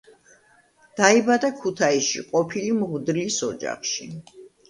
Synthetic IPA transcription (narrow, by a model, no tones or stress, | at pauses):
d̪̥aibad̪akʰut̪ʰaisʃḭqʼɔpʰilimʁwd̪lisɔd͡ʒa̰χʃi